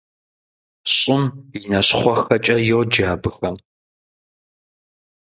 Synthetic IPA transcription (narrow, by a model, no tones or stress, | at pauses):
ɕʼɪmjinɐɕχʷɔxɐt͡ʃʼɐjowd͡ʒaːbɨxɐn